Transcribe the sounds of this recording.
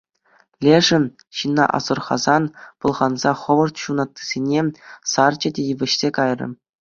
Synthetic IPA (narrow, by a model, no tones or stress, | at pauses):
lʲeʐɘ̆n | ɕinːɑ̰ʔɑ̰zɤ̆rχɑ̰zɑnpɤ̆lˠʁɑnzɑχɤ̆ʋɤ̆rt̪ɕunɑt̪ʲːi̥z̥ʲenʲesɑrd͡ʑɘ̆dʲejɘ̆ʋʲɘ̆ɕsʲekɑjrʲɤ̰̆